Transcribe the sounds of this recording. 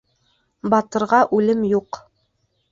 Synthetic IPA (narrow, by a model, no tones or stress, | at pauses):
bɑt̪ɤ̆ɾʁɑʔʉlɘmjuq